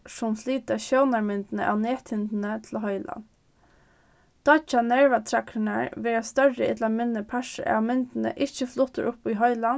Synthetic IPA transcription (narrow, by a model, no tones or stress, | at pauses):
sɔmsliːt̪ɑçoʊnɑɹmʏnd̪n̩ə̰ʔɑ̰ːneːt̪ʰɪnd̪n̩ət̪ʰl̩ɦœʏlɑ̰n | d̪̥ɑt͡ʃɑnæɹʋɑt̪ʰɾɛkʰəɳæɹʋeːɾɑst̪œɹəʔɪd̪lɑmʏnəpʰæʂə̰ɑ̰mʏnd̪n̩ə̰ʔɪçəflʊt̪ə̰ɾʔʊpiːɦœʏlɑn